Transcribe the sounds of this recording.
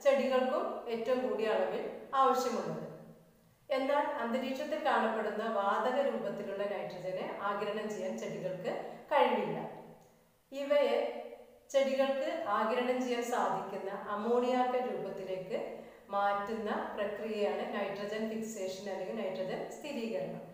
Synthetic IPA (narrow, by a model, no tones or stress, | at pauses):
t͡ɕe̞ɽiɣɐɭkume̞ːtːɐʋumkuːɽiɐɭɐmilaːʋɐɕjɐmuɳːɐðɨ | e̞nːaːlɐnd̪ɐɾiːʈʂɐt̪ːilkaːɳɐpːe̞ɽunːɐʋaːd̪ɐɣɐɾuːbɐt̪ːiluɭːɐnɐjʈrɐd͡ʑɐneʔaːɡɾɐɳɐmt͡ɕejːaːnt͡ɕe̞ɽiɣɐɭkɨkɐɻiɳilːɐ̰ | iʋɐet͡ɕe̞ɽiɣɐɭkɨʔaːɡɾɐɳɐmt͡ɕejːaːmsaːd̪ʱikʲːunːɐʔɐmːoːɳijaːrkɐɾuːbɐt̪ːile̞ːkːɨ | maːtːunːɐprɐkrijɐjaːɳɨnɐjʈrɐd͡ʑɐnfikse̞ːʂɐnaːniɡnɐjʈrɐd͡ʑɐnst̪ʰiɾiːɣɐɾɐɳṵ